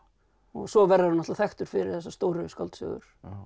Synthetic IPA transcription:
ɔɣsɔvɛrːaɾnat̪aθɛxt̪ʏɾ̥fɪɾɪɾ̥θɛsːast̪owɾʏska̰lt̪sœ̰ːɣʏ̰ɾ̥

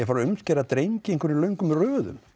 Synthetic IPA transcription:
ɛfaɾʏmscɛɾat̪ɾejɲcɪẽnŋkʰvɛɾɾlœɥŋkʏmrœːðʏ̰m

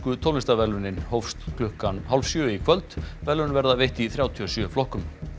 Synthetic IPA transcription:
kʏt̪ʰowlɪnst̪avɛlʏnɪnhowfst̪kʰlʏhkanhalvsjœːikʰvœlt̪vɛlːʏnvɛɾðaveht̪iθɾjaːwt̪ʰiɔsjœflɔhkʏm

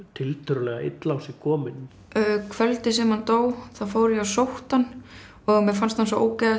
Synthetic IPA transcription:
t̪ʰɪlt̪ʰʏɾlɛɣaɪ̰t̪lawsikʰɔːmɪnː | kʰvœlt̪ɪsɛmhant̪oːwθaðfoːwɾɪjɛawsowht̪an | ɔɣmɛfanst̪hansɔʔo̰ːwcajða

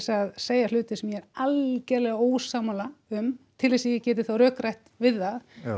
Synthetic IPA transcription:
saðseːjalʏːt̪ɪsɛmjɛɛɾalcɛɾlɛɣaoːwsaːmalaʏmt̪ʰɪlvɛsɪjɛcɛːt̪ɪθawɾœːkɾajht̪vɪðað

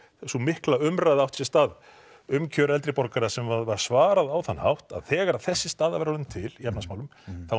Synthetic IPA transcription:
sumɪhklaʏmɾajðawht̪sjɛ̥st̪aːð | ʏmcʰœːɾɛlt̪ɾɪpɔɾkaɾasɛmvavaɾ̥svaːɾaðawθanːha̰wht̪a̰ðθɛːɣaɾaðθɛsːɪst̪aːðavɛɾaɾðʏmt̪ʰɪliapnasmaːwlʏmθaw

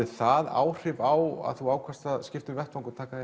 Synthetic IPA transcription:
ɪθaða̰ːwr̥ɪvawa̰ðθuaːwkʰast̪ascɪft̪ʏmvɛht̪vaŋkɔt̪ʰaːka

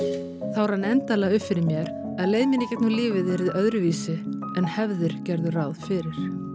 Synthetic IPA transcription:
θawɾhanːɛnt̪alɛɣaʏhpfɪɾɪɾmjɛɾ | aðleːjðmɪnɪcɛt̪nuːlɪːvɪðɪɾɪðœðɾʏviːsɪ | ɛnhɛvðʏɾ̥cɛɾðʏraːwðfɪɾɪɾ̥

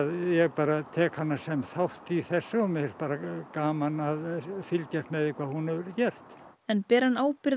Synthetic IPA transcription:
ðjɛɣpaːɾat̪ʰɛːkhanːasɛmθawht̪iθɛsːaumːɪɛɾ̥t̪̚paːɾakaːmanaðfɪlcɛr̥t̪mɛðɪkʰvaːðhunɛvʏɾcɛr̥t̪ | ɛnpɛːɾanaːwpɪɾ

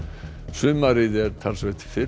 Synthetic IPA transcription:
sʏːmaɾɪðɛɾt̪ʰalsvɛt̪ʰɪ̥fɪ

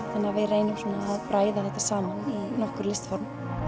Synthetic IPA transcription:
θanːɛavejreːjnʏmsɔːnaːðpɾaːjðaθɛht̪ːasaːmaninɔhkʏɾlɪst̪fɔɾm

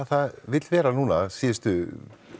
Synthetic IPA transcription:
θaðvɪt̪lvɛːɾanuːnasiːjɪst̪ʏ

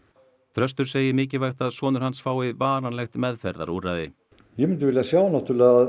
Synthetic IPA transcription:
θʰɾœst̪ʏɾ̥seːjɪmɪːcɪvajxt̪aðsɔːnʏɾ̥hansfaːwɪvaːɾanlɛxt̪mɛðfɛɾða̰ɾuːraðɪ | jɛmʏnt̪ʏvɪljasjaːwnaht̪ulɛa

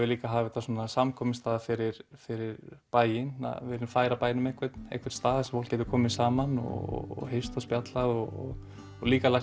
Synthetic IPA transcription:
ɪliːkaɦaːvɪθasuːnasamkʰɔːmɪnst̪aːðafɪɾɪɾfɪɾɪɾpaːjɪna̰ðvɛːɾɪnfaːjɾapaːjnʏmɛehkʰvɛt̪n̥ḛhkvɛɾt̪st̪aːðsɛmfowl̥cɛːt̪ʏkʰɔːmɪnsaːmanɔ̰ɔ̰ɦejst̪aspjat̪laðɔɔ̰ɣ | liːkala

